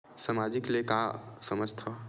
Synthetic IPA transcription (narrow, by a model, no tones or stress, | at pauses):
samad͡ʒɪkliekasəməd͡ʒt̪ʰɔ